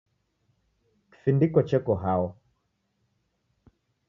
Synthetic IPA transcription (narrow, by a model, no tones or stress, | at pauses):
ki̥findikɔt͡ʃɛkɔɦaɔ